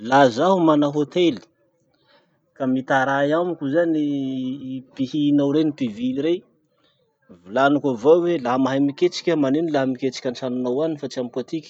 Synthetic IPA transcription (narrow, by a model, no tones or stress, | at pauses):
lazaɦumanaɦot̪eli̥ | kamit̪aɾajamikʲuzani | pihinawɾenipiviɾe | vulanukʲavawelaɦmaɦajmikʲet͡ʃi̥kʲəmanenilamikʲet͡ʃi̥kʲanʈ͡ʂanunawanifat͡siamikat̪ikʲi̥